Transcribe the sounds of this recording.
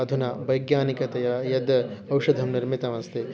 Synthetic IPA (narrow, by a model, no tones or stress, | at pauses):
ɐd̪ʱunɐʋɐjɡjaːnikɐt̪ɐjɐjɐd̪ɐwʂɐd̪ʱɐmniɾmit̪ɐʋɐnst̪ʰe